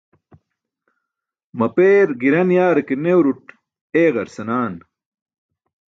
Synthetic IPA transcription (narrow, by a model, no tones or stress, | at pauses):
mɐpeːɾɡiɾɐnjaːɾɐkenewɾuʈ | eːɣɐɾsɐnaːn